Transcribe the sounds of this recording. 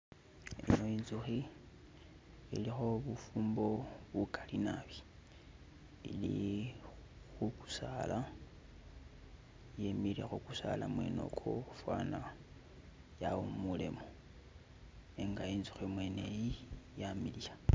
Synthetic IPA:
ḭno̞iːnzuxi | ḭlixo̞βufuːmbo̞βukʰalinaβi̥ | ili | xuku̥sala | jemilexukusa̰lamwḛno̞̰kʰo̰fwana | jawommulḛmo | eŋɡainzu̥ximwenejijamilija

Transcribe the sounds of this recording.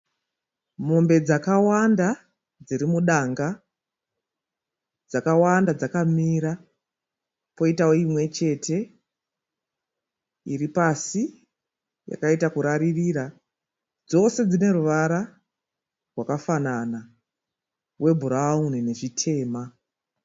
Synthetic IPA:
mo̞mbe̞d͡zakawanda | d͡ziɾimuɗaŋɡa | d͡zakawandad͡zakamiɾa | po̞itawoimwe̞t͡ʃe̞tʰe̞ | iɾipasi | ja̰kaitakuɾaririɾa | d͡zo̞se̞d͡zine̞ɾuʋaɾa | rwakafanana | we̞bʱuɾaunine̞ʐitʰe̞ːma

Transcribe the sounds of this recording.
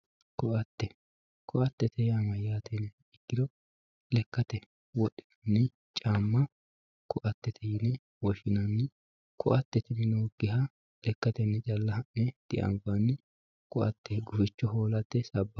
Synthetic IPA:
kɔʔɐt̪ːɛ | kʰɔʔɐt̪ːɛt̪ʰɛjamɐjaːt̪ɛnːɛ | ɪkːɪd̪ɔ | lɛkːɐt̪ɛ | wɔɗːɪ̥ | nːɪ | t͡ʃʼaːmːɐ | kɔʔɐt̪ːɛt̪ʰɛjɪnɛ | wɔʃɪnɐnːɪ | kʰɔ̰ʔɐt̪ːɛt̪ɪnɪnoɡɪɦɐ | lɛkːɐt̪ɛnːɛt͡ʃʼɐlːɐhɐʔnɛd̪̥ɪʔɐ̰mbɐnːɪ | kɔʔɐ̰t̪ːɛɡʊfɪt͡ʃːɔɦoːlɐt̪ːɛsɐbːɐ

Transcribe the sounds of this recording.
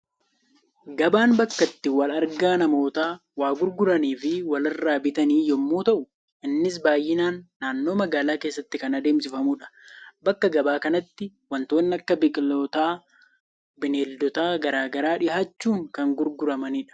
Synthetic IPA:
ɡɐbaːnbɐkːɐt̪ːɪwɐlɐɾɡaːnɐmo̞ːt̪aː | waːɡʊɾɡʊɾɐniːfɪwɐlɐrːaːbɪt̪ɐniːjɔmːuːt̪ɐʔʊ | ɪnːɪs̬baːjːɪnaːnːaːnːo̞ːmɐɡaːlaːke̞ːsːɐt̪ːɪkɐnɐd̪eːmsɪfɐmuᶑɐ̥bɐkːɐɡɐbaːkɐnɐt̪ːɪwɐnt̪oːnːɐkːɐbɪkʼloːt̪aː | bɪneːld̪ɔt̪aːɡɐɾaːɡɐɾaːᶑɪhaːt͡ʃːuːŋkɐŋɡʊɾɡʊɾɐmɐniːᶑɐ̥

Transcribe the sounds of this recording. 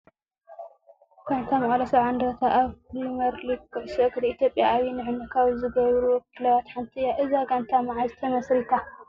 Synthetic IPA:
ɡ̥ant̪ʰamɐʔʼlɐsɐʕand̪ɾɐt̪ʰaʔaβlimɐɾlikːɨʕsɐkd̪iit̪jo̞pʼːjaawinɨʕɨnɐkʰaβzɨɡɐjɾuwɔkʰːilɐwat̪ħant̪ʰijaʔɨzaɡant̪ʰamaʕazɨt̪ʰɐmɐsɾit̪ʰa

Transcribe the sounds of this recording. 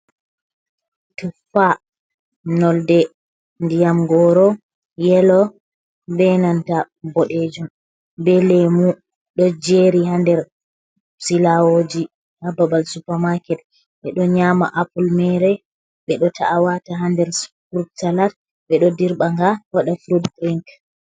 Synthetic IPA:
tufa | nɔldɛ | ndijamɡɔɾɔ | jɛlɔ | bɛnanta | bɔɗed͡ʒum | bɛlemu | ɗɔd͡ʒeɾiɦandɛɾ | silawod͡ʒi | hababalsupamakɛt̚ | ɓɛɗɔɲama̰ʔapulmɛɾɛ | ɓɛɗɔtʰaʔawataɦandɛɾsfɾub̚talat | ɓɛɗɔdiɾɓaŋɡawaɗafɾudkɾiŋk

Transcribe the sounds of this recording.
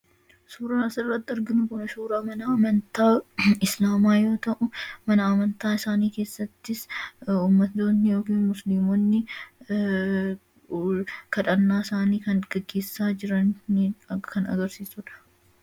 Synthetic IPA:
suːɾɐnɐsɪrːɐt̪ːɪɪɾɡɪnʊkʊnɐʃuːɾaːmɐnɐɐmɐnt̪aːɪslaːmaːjo̞ːt̪ɐʔʊmɐnɐɐmɐnt̪aːɪsaːniːke̞ːsːɐt̪ːɪsuːmːɐt̪ːoːnːɪjo̞ːkiːnmʊslimonːɪ | kɐᶑɐnːaːɪsaːniːkɐnɡ̥ɐɡːe̞ːsːaːd͡ʒɪɾɐn | kɐnɐ̰ɡɐɾsiːsʊᶑɐ̥

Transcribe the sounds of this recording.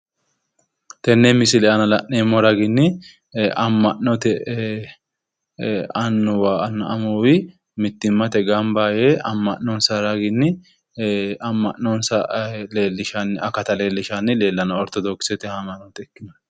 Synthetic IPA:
t̪ɛnːemɪsɪlɛʔɐnɐlɐʔeːmːɔɾɐɡɪnːɪ | ʔɐmːɐʔɔt̪ɛ | ɐnːʊwaːnːɐʔɐmowɪ | mɪt̪ːɪmːɐt̪ɛɡɐmbaːjeːɐmːɐʔnːɔnsɐɾɐɡɪnːɪ | ɐmːɐnːɔnsɐleːlːɪʃɐnɐkɐt̪ɐle̞ːlːɪʃanːɪle̞ːlːɐnɐɔɾt̪ːɔd̪oːkːɪ̥sɛt̪ɛhɐmɐnɔt̪ɛɛkːɪnɐ

